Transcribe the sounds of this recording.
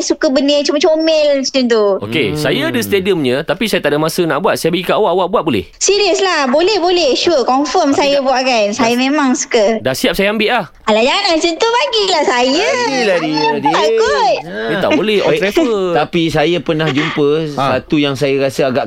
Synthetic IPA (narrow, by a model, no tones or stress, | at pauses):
sukəbənət͡ʃumət͡ʃomɛlt͡ʃənt̪uo̰kḛsajaːdəst̪ediəmɲə̃t̪apisajat̪aʔdamasənaʔbuat̪̚sajabaɡikaʔawaʔwaʔbuat̪ʔ̚bolɛ̰hsiɾiəslahbolɛhbolɛʃuəkɔnfəmsajabuaʔkansajamẽmaŋsu̥kədahsiap̚sajaambɪʔlah | alad͡ʒaŋanat͡ʃənt̪ubaɡilahsajəadijaaɡot̪̚əa̰ʔbolɛhaɛɾefət̪apisajapənahd͡ʒumpəsat̪ujaŋsajəɾasəaɡaʔ